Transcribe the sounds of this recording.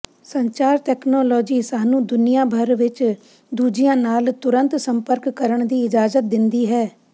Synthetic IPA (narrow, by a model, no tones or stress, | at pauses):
səɲt͡ʃaːɾʈɛːkʰnɔːlɔːd͡ʒiːsaːnũːd̪ʊnɪjãːbʱəɾʋɪt͡ʃ | d̪uːd͡ʒɪjãːnaːlt̪ʊɾə̃nt̪səmpəɾkːəɾəɳd̪iːɪd͡ʒaːzət̪̚d̪ɪnd̪iːɦɛː